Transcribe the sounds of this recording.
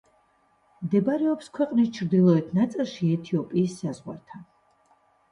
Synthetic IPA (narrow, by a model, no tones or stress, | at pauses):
md̪ɛbaɾɛɔpskʰwɛqʼnist͡ʃʰɾd̪ilˠɔɛt̪ʰnat̪sʼilˠʃiɛt̪ʰiɔpʼiːsːazʁwa̰ɾt̪ʰan